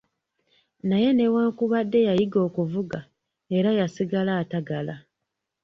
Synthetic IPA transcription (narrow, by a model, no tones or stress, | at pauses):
naje̞ne̞waːŋkuβadːe̞jajiɡo̞ːkuvuɡa | e̞ɾajasiɡalaːtaɡala